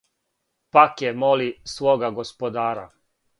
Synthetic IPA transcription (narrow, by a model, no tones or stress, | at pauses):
pakjemolisʋoːɡaɡospod̪aːɾa̰